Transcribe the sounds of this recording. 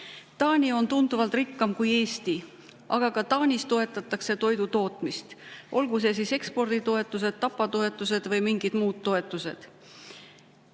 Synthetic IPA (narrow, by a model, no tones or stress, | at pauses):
t̪ɑːnʲio̞nt̪und̪̥uvɑlt̪rikːɑmkuje̞ːst̪i | ʔɑɡ̥ɑkɑt̪ɑːnʲist̪o̞e̞t̪ːˑɑt̪ːˑɑkse̞t̪o̞jd̪ut̪o̞ːt̪ˑmist̪ʔo̞lɡ̥use̞s̬ise̞kspo̞rd̪̥it̪o̞e̞t̪ːˑus̬e̞d̪̥̚t̪ːɑpːˑɑt̪o̞e̞t̪ːˑuse̞d̪̥vɤjmiŋɡid̪̥muːd̪̥̚t̪ːo̞e̞t̪ːˑuse̞̰d̪̥